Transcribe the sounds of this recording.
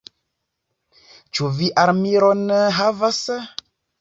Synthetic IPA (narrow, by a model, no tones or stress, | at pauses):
t͡ʃuviʔaɾmiɾonɦavas